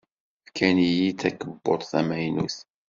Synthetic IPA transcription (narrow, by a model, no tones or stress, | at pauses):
fkænijit̪ːækəbːot̪ˤθæmæjnṵθ